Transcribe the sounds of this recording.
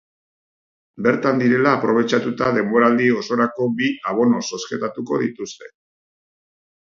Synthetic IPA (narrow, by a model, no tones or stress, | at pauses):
be̞ɾt̪and̪iɾe̞laːpɾo̞βe̞t͡ʃat̪ut̪aðe̞mbo̞ɾald̪io̞so̞ɾako̞biaβ̞o̞no̞so̞ske̞t̪at̪uko̞ðit̪ust̪e̞̥